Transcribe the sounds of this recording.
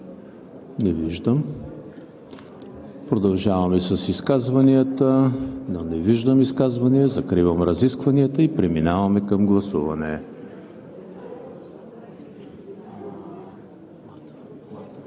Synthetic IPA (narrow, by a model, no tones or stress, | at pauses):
nɛviʒd̪əm | pɾod̪ɐlˠʒavɐmisɐsiskazvɐniət̪ənonɛviʒd̪əmiskazvɐniəzɐkɾivɐmɾɐziskvɐniət̪əipɾɛminavɐmɛkɐmɡlˠɐsuvɐnɛ